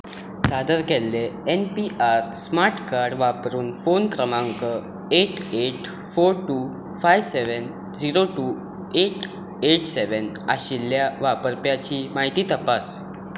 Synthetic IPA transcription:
sad̪əɾkɛlːeenpiʔaɾsmaɾʈkaɾɽʋapɾuːnfonkɾəmãŋkə | eʈeʈ | foɾʈuː | fajʋseʋən | d͡ziɾoʈuː | eʈ | eʈseʋən | aɕilːjaʋapəɾpjat͡ɕiːmaɦit̪iːt̪əpas

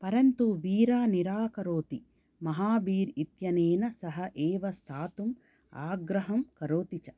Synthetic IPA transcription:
pɐɾɐnt̪uʋiːɾaːniɾaːkɐɾoːt̪i | mɐɦaːʋiːɾit̪jɐneːnɐsɐɦɐʔeːʋɐst̪ʰaːt̪um | aːɡɾɐɦɐmkɐɾoːt̪it͡ʃɐ

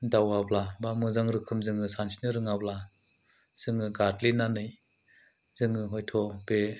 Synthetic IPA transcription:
dawablabamɯzaŋɾɯkʰɯmzɯŋɯsansi̥nɯɾɯŋabla | z̥ɯŋɯɡatlinanɯj | z̥ɯŋɯɦɔjtʰɔbe

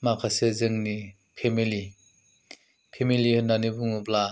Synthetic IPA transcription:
makʰasezɯŋni | pʰemili | pʰemilihɯnːanibuŋubla

